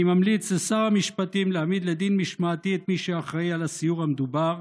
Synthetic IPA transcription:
imamlit͡sesaʁhamiʃpat̪imleamid̪led̪inmiʃmaat̪iet̪miʃeaχʁejalasijuʁhamed̪ubaʁ

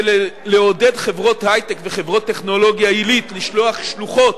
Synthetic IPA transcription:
leleo̞dedχe̞vʁo̞thajt̪ekveχe̞vʁo̞t̪ːeχno̞lo̞ɡjailitliʃloaχʃluχo̞t

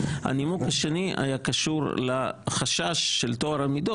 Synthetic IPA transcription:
a̰nimukhaʃeniʔa̰jakaʃuʁlaχaʃaʃːelt̪oaɾamido

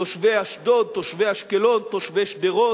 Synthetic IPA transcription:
oʃveaʃd̪odt̪oʃvehaʃkelont̪oʃveʃd̪eʁo

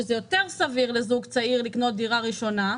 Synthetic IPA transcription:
ezejo̞t̪eʁsaviʁlezuɡt͡saiʁlikno̞t̪̚d̪iʁaʁiʃo̞na

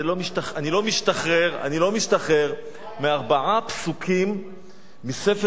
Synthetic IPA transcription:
lo̞miʃtaχanilo̞miʃtaχeʁa̰nilo̞miʃtaχeʁ | meaʁbaʕapsukʰimː | ise̞fe

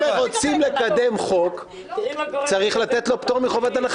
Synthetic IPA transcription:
eʁot͡simle̞kad̪e̞mχo̞k | t͡saʁiχlat̪e̞t̪lo̞pt̪oʁmiχovat̪anaχ

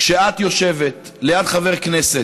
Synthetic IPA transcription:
kʃeat̪jo̞ʃe̞vetlejadχave̞ʁkneset

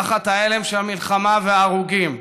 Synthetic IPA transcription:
χat̪aelemʃeamilχamaveaːʁuɡim

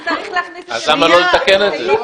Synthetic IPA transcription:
azlamalojet̪akeneze

